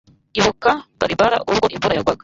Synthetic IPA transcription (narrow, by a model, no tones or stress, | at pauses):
iβukabaɾibaɾa̰ʔuβɡoʔimvuɾajaɡwaɡa